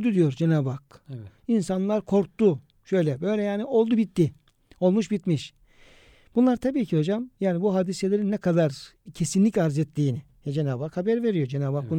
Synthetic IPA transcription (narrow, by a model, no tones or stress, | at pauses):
d̪ud̪ijo̞ɾd͡ʒenaːbakinsanlˠaɾkʰo̞ɾk̚t̪u | ʃø̞jlʲɛbø̞jlʲɛjaːnio̞lˠd̪ubit̪ːi | o̞lˠmuʃbit̪miʃ | b̥unlˠaɾt̪ʰabiːcʰiho̞d͡ʒamjaːnibuɦaːd̪iselʲeɾinːɛkʰad̪aɾ | cʰe̞sinlʲicaɾzɛt̪lʲiːnɪ | jɛd͡ʒe̞naːbaːkhabæɾve̞ɾijo̞ɾd͡ʒenaːbaːk̚bun